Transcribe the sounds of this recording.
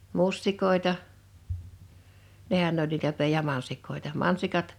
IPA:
mustikˑoˑe̝tɑ nehæn n olʲ niːtæ pe jɑ mɑnsikˑoˑetɑ

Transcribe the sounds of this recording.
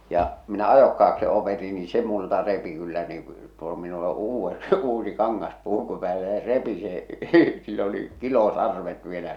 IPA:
jɑ minæ ɑjokːɑːk se opeti ni se multɑ repi kylːæ niː tuo minul o uːʋːe uːsi kɑŋːɑspuˑku pæːlːæ jɑ se repi se silː oli kilosɑrʋet ʋielæ

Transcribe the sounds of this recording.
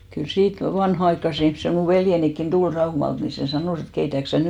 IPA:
kyl siːt ʋɑnhɑɑikːɑse ihmse muˑ ʋeljenikːin d̥ul rɑumɑlt ni seˑ sɑnoˑs et keitæk sæ

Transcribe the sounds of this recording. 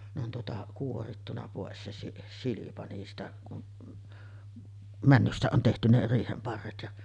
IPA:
ne on tuotɑ kuoritːunɑ poˑes se si silipɑ niːstæ kun mænːystæ on tehty ne riːhem pɑrːet jɑ

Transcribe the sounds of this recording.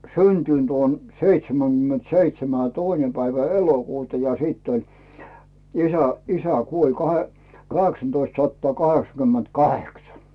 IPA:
syntynt oːn seitseməɡ̊ymːent seitsemæ jɑ̥̆ toine pæiʋæ elokuːtɑ jɑ siˑtː olʲ isæ isæ kuolʲ kɑhe kɑheksɑntoistsɑtːŏɑ kɑheksɑkymːentkɑheksɑ

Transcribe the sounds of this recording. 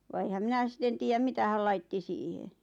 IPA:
ʋɑ eĭhæm mĭnæ sĭten tiːjæm mitæ hæl lɑitːi siːhe

